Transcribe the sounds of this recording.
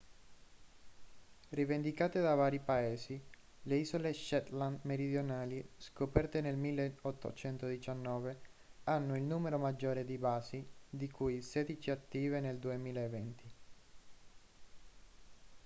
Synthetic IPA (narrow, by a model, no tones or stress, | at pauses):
rivend̪ikaːt̪ed̪avaːɾipaeːzi | leiːzoleʃɛt̪land̪meɾid̪jonaːliskopɛrt̪enelmilːeot̪ʰːo̰t͡ʃɛnt̪od̪it͡ʃanːɔːveanːoilnuːmeɾomad͡ʒːoːɾed̪ibaːzid̪ikujseːd̪it͡ʃiat̪ːiːveneld̪uemiːlaevɛnt̪ʰi